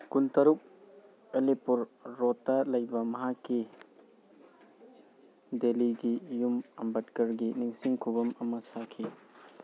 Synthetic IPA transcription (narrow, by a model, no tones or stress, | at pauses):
kuntɐɾuk̚ | elipuɾːotːɐlɐjbɐmɐɦakːi | deliɡijumɐmbɐtkɐɾɡiniŋsiŋkʰubɐmɐmɐsakʰi